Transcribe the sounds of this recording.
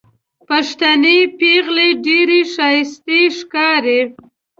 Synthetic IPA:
paʃt̪anepeɣleɖeɾeʃɑjɪst̪iʂkɑɾe

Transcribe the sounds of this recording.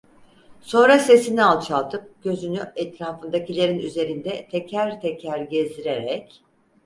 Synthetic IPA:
so̞nɾase̞sinialˠt͡ʃʰalˠt̪ʰɯp̚ɟ̥ø̞zynyɛt̪ɾaːfɯnd̪acilʲe̞ɾinyze̞ɾind̪ɛt̪ʰɛcʰæɾt̪ʰɛcʰæɾɟɛzd̪iɾeɾɛc

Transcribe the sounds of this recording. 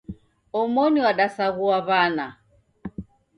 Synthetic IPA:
ɔmɔɲiaɗasaɣuaβana

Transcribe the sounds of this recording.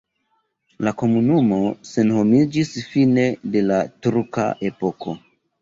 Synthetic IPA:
lako̞munumo̞se̞nho̞mid͡ʒisfine̞de̞latuɾka̰ʔe̞po̞kʰo̞

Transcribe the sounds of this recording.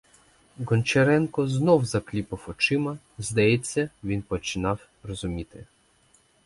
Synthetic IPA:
ɡɔnʲt͡ʃeɾɛnkɔznɔwzɐklʲipɪwɔt͡ʃɪmɐ | zd̪ɐjɛt͡sʲːɐʋʲinpɔt͡ʃɪnɑw | rɔzʊmʲit̪ɪ

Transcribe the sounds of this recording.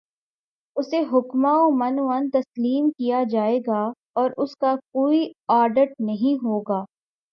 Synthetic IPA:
ʊseɦʊkmaomɐnoant̪ɐsliːmkijad͡ʒaːeːɡa | ɔːɾʔʊskakoːiaːɾɖəʈ̚nɐɦĩɦoːɡaː

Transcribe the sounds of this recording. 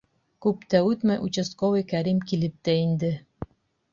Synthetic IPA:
kʉpt̪æʉt̪mæjʔut͡ɕɘ̆skovijkæɾimkilɘp̚t̪æind̪ɘ

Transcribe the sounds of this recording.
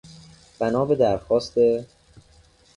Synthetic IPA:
b̥ænɒːbe̞d̪æɾxɒːst̪e

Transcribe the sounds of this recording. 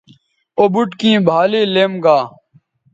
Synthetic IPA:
obuʈkĩːbʱaːliːleːmɡaː

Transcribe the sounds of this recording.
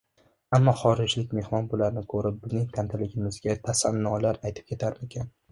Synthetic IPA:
amːɒχɒɾɪd͡ʒlɪkʲme̞hmɒnbʊlaɾnɪkʰɵɾɪp̚bɪznɪŋt̪ʲʰant̪ʰɪlɪɡʲɪmɪzɡʲat̪ʰasanːɒlaɾajt̪ʰɪ̥p̚kʲʰe̞t̪ʰaɾmekʲʰan

